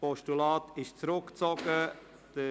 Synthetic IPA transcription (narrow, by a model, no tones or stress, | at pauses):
pɔʃtulɑːtʰɪʃt͡sɾʊkt͡sɔɡ̥ə | d̥ə